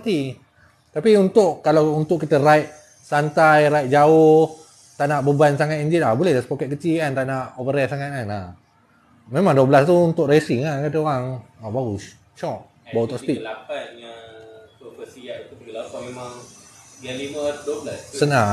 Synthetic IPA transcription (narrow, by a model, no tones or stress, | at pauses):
t̪i | t̪apiunt̪ʊʔkalawunt̪ʊʔkːit̪əɾaɪʔ̪̚ | sant̪ajɾaiʔ̚d͡ʒaʊh | t̪anaʔbəbansaŋat̪̚ind͡ʒit̪̚lahbulɛhdasə̥pokɛt̪̚kət͡ʃikant̪aʔnaʔovəɾɛsaŋat̪̚ana | mẽmaŋduəblast̪uunt̪ʊʔɾesiŋakat̪əoɣaŋabaɡu | ʃɔʔ̚ | baunt̪ʊʔsəpilaanɲat̪pəsiaʔt̪uəlaamemãŋdialiməduəblassəna